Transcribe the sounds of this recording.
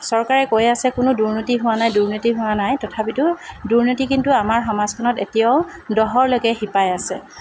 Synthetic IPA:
sɔɹkaɹɛkojasɛkʊnʊduɹnitiɦʊwanajduɹnitiɦʊwanajtɔtʰapitʊduɹnitikintuamaɹxɔmaz̥kʰɔnɔtetijaʊdɔɦɔɹlokɛxipajasɛ

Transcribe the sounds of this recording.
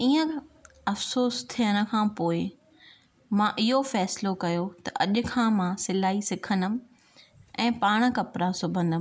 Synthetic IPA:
iːə̃ | ɐfsoːst̪ʰijəɽ̃ə̆kʰãːpoːɪ | mãːʔɪɦofɛːslokɐjot̪ɐʔɐʄʊ̆kʰãːmãːsɪlaːisɪkʰənd̪əm̆ | ɛ̃ːpaːɽ̃ə̆kɐpɾasʊbʱə̃nd̪əm

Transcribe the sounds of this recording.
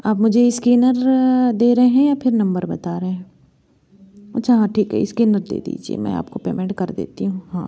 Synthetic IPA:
aːpmʊd͡ʒʱeɪskiːnəɾd̪eːɾɦeɦɛ̃japʰɪɾnɐ̃mbəɾbɐt̪aːɾəɦeɦɛ̃ | ɐtːʃʰaɦãːʈʰiːkɦɛ̰ɪskiːnəɾd̪ḛːd̪ḭːd͡ʒiḛmɛ̰̃ːa̰ːp̚kopḛːmẽɳʈ̚kɐɾd̪ḛːt̪iɦũɦãː

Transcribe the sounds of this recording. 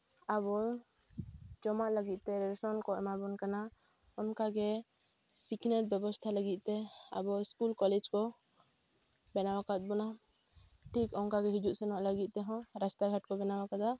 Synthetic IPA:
abɔ | t͡ʃɔmaʔləɡit̪̚t̪ɛɾɛsɔnkɔɛ̰mabɔnkana | ɔnkaɡɛ | siknɛl̚bjɛbɔst̪ʰaləɡit̪̚t̪ɛa̰bɔskulkɔlɛd͡ʒkɔ | bɛnawakat̪̚ˀbɔna | ʈʰikɔŋkaɡɛɦid͡ʒuʔ̪sɛnɔʔləɡit̪̚t̪ɛɦɔ̃ɾast̪aɡʱaʈ̚kɔbɛnawakad̪a

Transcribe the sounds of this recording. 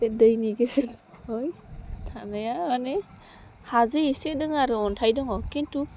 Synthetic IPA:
edɯjniɡeseɾ | hojtʰanɯjaane | hazɯisedɯŋaɾɯɔntʰajdɔŋɔkintu

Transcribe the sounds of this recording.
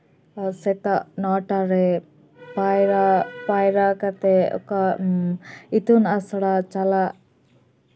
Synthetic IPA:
sɛt̪aʔnɔʈaɾɛ | paɾapajɾakat̪ɛɔ̰ka | it̪unasɔɽat͡ʃalaʔ

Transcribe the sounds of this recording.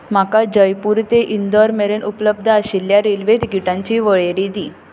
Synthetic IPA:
m̤akad͡ʑəjpuɾt̪eʔind̪ɔɾmeɾenʔupləb̚d̪ʱəaɕiljaɾelʋet̪ikiʈãɲt͡ɕiːʋəɭeɾid̪iː

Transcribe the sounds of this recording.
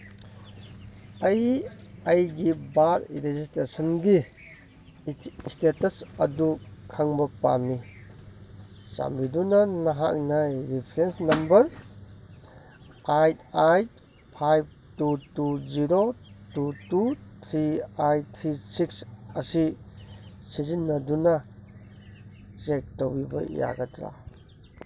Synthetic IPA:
ɐjajɡibatɾezistɾesɔnɡi | stetɐsɐdukʰaŋbɐpa̰mi | sa̰mbidunɐnɐɦaʔnajɾipʰɾensnɐmbɐɾ | kajtajt̚ | pʰajb̚tutuziɾotutut̪ʰɾiajt̪ʰɾisiksɐsi | sizinːɐdunɐ | zek̚towbibɐ̰ja̰ɡɐtɾa̰

